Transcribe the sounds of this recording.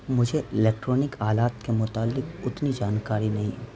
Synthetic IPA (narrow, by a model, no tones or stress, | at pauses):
mʊd͡ʒʱeʔɪleːk̚ʈɾɔːnɪkaːlaːt̪kemʊt̪aːlːɪkʊt̪nid͡ʒaːnkaːɾinɐɦḭ̃ː